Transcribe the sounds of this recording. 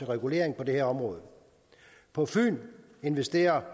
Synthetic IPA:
eʁɛɡ̥ule̝̰ɐ̰eŋpʰɒ̽d̥e̝heɐɒ̽mʁɔ̽ːð̞̩ˠ | pʰɒ̽fy̰ːn | e̝nʋesd̥e̝̰ːɐ

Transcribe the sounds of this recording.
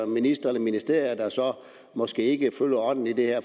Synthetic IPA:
minisd̥ʁɐnəminisd̥e̝ɐ̰jɐd̥ɑ̈sɒ̽ | mɒ̽sɡ̥e̝ːe̝ɡ̥əføljɐɒ̽n̰n̩id̥e̝heɐ̰

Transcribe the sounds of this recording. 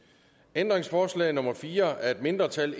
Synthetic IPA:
end̥ʁeŋsfɒːslɛ̰ːɪnɔ̽mɐfiːɐæɐe̝d̥̚me̝nd̥ʁɐt͡sʰæl

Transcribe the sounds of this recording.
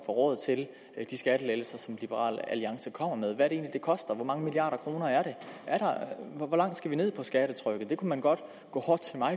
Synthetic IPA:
fɒʁɔ̰ːð̩ˠt͡sʰe̝l | d̥isɡ̥æɾ̥əlelsɐsɒ̽mlib̥əʁɑ̰̈ːlæliɑ̈ŋsəkʰɒ̽m̰ɐmeð̞ˠʋæɐɾe̝ːnlid̥e̝kʰɒ̽sd̥ɐʋɒmɑ̈ŋəmiliɑ̰̈ːɾɐkʰʁo̝ːnɐæɐɾe̝ʔæɐɾɑ̈ʋɒlɑ̈ŋ̰d̥sɡ̥æʋine̝ð̰ˠpʰɒ̽sɡ̥æɾ̥ət͡sʰʁœɡ̥ð̩ˠd̥e̝kʰumænɡ̥ɒ̽d̥ | ɡ̥ɔ̰̽ːhɒd̥̚t͡sʰe̝lmɑ̈ɪ

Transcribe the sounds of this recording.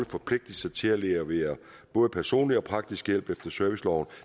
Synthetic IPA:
ðəfɒ̽pʰle̝ɡ̥̚d̥əl̩sɐt͡sʰe̝æleɐʋeːɐ | b̥ɔ̽ːð̞ˠəpʰæɐso̝̰ːnliɒ̽pʰʁɑ̈ɡ̥̚d̥isɡ̥jel̰b̥efd̥ɐsœɐʋislɒʊn

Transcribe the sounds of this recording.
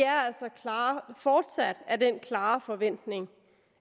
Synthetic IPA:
æɐæl̰sɒkʰlɑːfɒːd̥sæd̥æd̥enkʰlɑ̈ːfɒ̽ʋen̰d̥ne̝ŋ

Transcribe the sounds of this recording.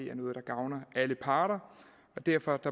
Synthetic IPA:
e̝̰æɐnɔ̽ːð̩ˠd̥ɑ̈ɡ̥ɑ̈ʊnɐʔæləpʰɑ̈ːɾ̥ɐ | ɒ̽d̥æɐ̰fɒ̽d̥ɑ̈

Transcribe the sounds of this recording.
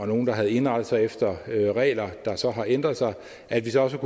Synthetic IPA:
ɒno̝ːn̩d̥ɑ̈ɦæð̞̩ˠe̝nʁɑ̈d̥ð̩ˠsɑ̈ɪefd̥ɐøʁɛ̰ːlɐd̥ɑ̈sɒ̽ɦɑ̈ʔend̥ʁɐðˠsɑ̈ɪ | ʔæd̥ʋisɒ̽ɒ̽s̬əkʰu

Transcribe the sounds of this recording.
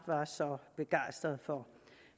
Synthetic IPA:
ʋɑ̈sɒ̽b̥e̝ɡ̥ɑ̈ɪ̰sd̥ʁɐð̞̩ˠfɒ

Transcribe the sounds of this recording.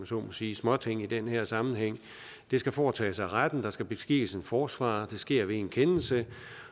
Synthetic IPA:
æso̰ːnmɒsiːsmɒ̽t͡sʰe̝ŋ̰id̥enheɐ̰sɑ̈mn̩ɦeŋ̰ | d̥e̝sɡ̥æfɒːt͡sʰɛ̰ːsɑ̈ɪʁad̥n̩d̥ɑ̈sɡ̥æb̥e̝sɡ̥iːse̝nfɒːsʋɑ̰̈ːd̥e̝sɡ̥e̝ɐ̰ʋe̝enkʰenl̩sə

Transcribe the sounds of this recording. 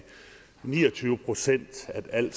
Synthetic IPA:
nḭːɐt͡sʰyːʊəpʰʁo̝sen̰d̥æd̥æl̰̥

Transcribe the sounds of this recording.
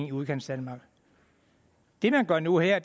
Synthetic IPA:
ŋiuðˠkʰen̰sd̥ænmɑ̈ːɡ̥ | d̥e̝mænɡ̥ɶɐ̰nuheɐ̰d̥

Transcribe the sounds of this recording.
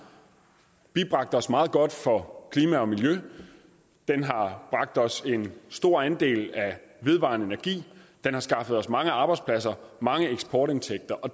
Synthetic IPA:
b̥ib̥ʁɑ̈ɡ̥̚d̥əɒ̽smɑ̈ːð̞̩ˠɡ̥ɒ̽d̥fɒ̽kʰliːmæɒ̽miljø | d̥enɦɑ̈b̥ʁɑ̈ɡ̥̚d̥ɒ̽se̝nsd̥o̝ɐ̰ænd̥e̝̰ːlæʋe̝ð̞ˠʋɑ̰̈ːnəe̝nɐɡ̥ḭːd̥enhɑ̈sɡ̥ɑ̈fəð̩ˠɒ̽smɑ̈ŋəɑ̈ːb̥ɑɪdspʰlæs̬ɐmɑ̈ŋəeɡ̥sb̥ʰɒːɾe̝nt͡sʰeɡ̥̚d̥ɐʔɒ̽

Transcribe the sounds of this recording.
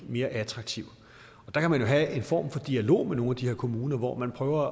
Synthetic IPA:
me̝ːɐʔæt͡sʰʁɑ̈ɡ̥̚t͡sʰiʊ̰ | ɒ̽d̥ɑ̈kʰæmænjo̝ɦæe̝nfɒ̰ːmfɒ̽d̥iælo̝̰ːmeno̝ːnæd̥ihe̝ɐkʰo̝muːnɐʋɒ̰mænpʰʁœːʊɐ

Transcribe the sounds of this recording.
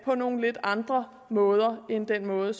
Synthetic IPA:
pʰɒ̽no̝ːn̩le̝d̥ɑ̈nd̥ʁɐ | mɔ̽ːð̞ˠɐend̥enmɔ̽ːð̩ˠəs

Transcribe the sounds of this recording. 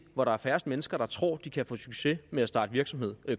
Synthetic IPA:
ʋɒɾɑ̈æɐfæɐsd̥menəsɡ̥ɐɾ̥ɑ̈t͡sʰʁɔ̰ːd̥ikʰæfɔ̰̽ːsyɡ̥se̝meæsd̥ɑ̰̈ːdəʋiɐɡ̥sɒ̽me̝ð̰ˠø

